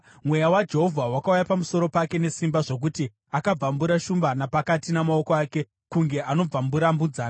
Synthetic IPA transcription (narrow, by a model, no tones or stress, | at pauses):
mwe̞jawad͡ʒe̞ɦo̞vʱawakaujapamuso̞ɾo̞pake̞ne̞simbaʐo̞k̬uti | akab͡vambuɾaʃumbanapakatinamao̞koaːke̞ | kuŋɡe̞ʔano̞b͡vambuɾambud͡zaːna